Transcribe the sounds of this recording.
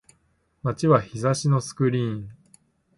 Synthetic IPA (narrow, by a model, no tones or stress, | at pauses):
mat͡ɕiβaçizaɕino̞sɨ̥kɯ̟ɾʲĩːɴ